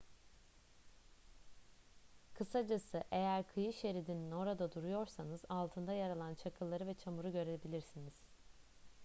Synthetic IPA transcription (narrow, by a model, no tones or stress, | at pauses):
kʰɯsad͡ʒasɯʔe̞jæɾkʰɯjɯʃe̞ɾid̪inino̞ɾad̪ad̪uɾujo̞ɾsanɯz̥alˠt̪ʰɯnd̪ajaɾalˠant͡ʃʰakʰɯlˠːaɾɯvɛt͡ʃʰamuɾuɟø̞ɾebilʲiɾsiniz̥